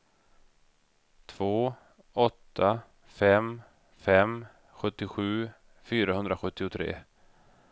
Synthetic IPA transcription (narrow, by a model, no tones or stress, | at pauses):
t̪ʰv̥oː | ɔt̪ʰːa | fɛm | fɛm | ɧɵt̪ːɪɧʉ̟ː | fyːɾaɦɵnd̪ɾaɧɵt̪ːɪʊt̪ʰɾḛː